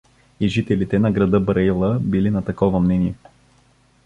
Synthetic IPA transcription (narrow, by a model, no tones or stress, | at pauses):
iʒit̪ɛlit̪ɛnɐɡɾɐd̪ɤbɾɐilˠəbilinɐt̪ɐkɔvɐmnɛniɛ